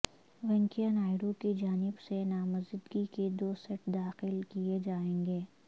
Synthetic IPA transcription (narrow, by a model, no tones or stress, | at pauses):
ʋɛ̃ŋkijanaːɪɽõkid͡ʒaːnɪbsenaːmɐzɪd̪ɡiked̪oːsɛʈd̪aːxɪlkied͡ʒaːẽːŋɡeː